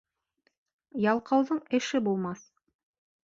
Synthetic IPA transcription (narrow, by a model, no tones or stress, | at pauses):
jɑlˠqɑwðɤɴɘ̆ʃɘbulˠmɑs